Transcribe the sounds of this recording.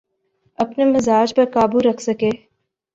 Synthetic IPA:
ɐpnemɪzaːd͡ʒpɐɾkaːbuɾɐkʰsɐkeː

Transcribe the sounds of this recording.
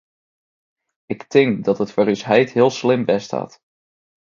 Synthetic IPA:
ɪktɪŋkdɑtɦətfəːrysɦɛjtɦɪəlˠslɪmʋɛstʰa̰ːt

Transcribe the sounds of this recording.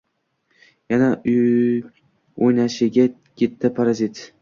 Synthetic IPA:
jana | ojnaʃɪɡʲa | kʲʰet̪ʰːapʰaɾazit̪

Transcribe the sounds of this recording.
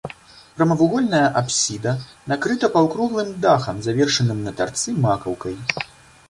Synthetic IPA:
pɾɐmɐvuɣɔlʲnɐjɐʔapsʲid̪ɐnakɾɨt̪ɐpɐwkɾuɣlˠɨmd̪axɐmzavʲɛrʂɐnɨmnɐt̪a̰rt̪sɨmakɐwkɐj

